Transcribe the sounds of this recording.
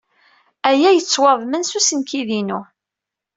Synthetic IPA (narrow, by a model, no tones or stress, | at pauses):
æjæjət͡sːwɑðˤmənsusənkiðinu